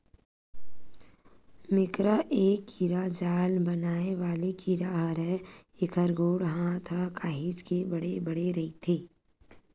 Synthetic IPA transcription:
mɪkɾaʔeːkːiɾad͡ʒaːlbɐnaːeʋaːlekiɾaɦɾɦɛɪkʰəɾɡoːɽɦãt̪ʰakaːɦit͡ʃkebɐɽebəɽeɾɐɦit̪ʰeː

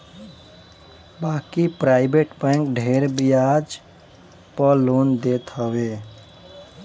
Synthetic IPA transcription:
baːkipɾaɪbeʈbɛ̃ŋkɖʱeɾbijad͡ʒ | pəlond̪et̪ɦəwe

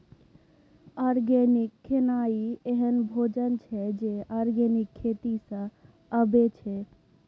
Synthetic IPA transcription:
aːɾɡɛnɪkʰːenaːieɦənbʱoːd͡ʒənt͡ʃʰɛd͡ʒeaɾɡeːnɪkʰːeːt̪isə̃ | əbet͡ʃʰɛ

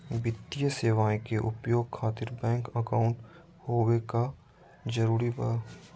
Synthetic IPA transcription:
bɪt̪ijəseːʋaːẽkeʔʊpjoːɡkʰaːt̪ɪɾbɛ̃ːŋkəkaːʊ̃ɳʈ | hoːweka | d͡ʒɐɾuːɾib

